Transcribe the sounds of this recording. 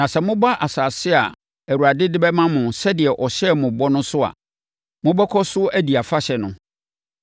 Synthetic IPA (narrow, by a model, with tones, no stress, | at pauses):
nã˨sɛ˨mʊ̃˦ba˦ʔa˨saː˨sɪ˦a˨ | æ˨wu˨ɾa˨dɪ˦dɪ˦bɛ˦mã˦mʊ̃˨sɛ˦dɪ˨ɛ˨ʔɔ˨ɕɛ˦mʊ̃˨bɔ˦nʊ̃˦sʊ˦a̰˨ | mʊ̃˦bɛ˦kʰɔ˦sʊ˦æ˦di˨a˨fa˦ɕɛ˨nʊ̃˨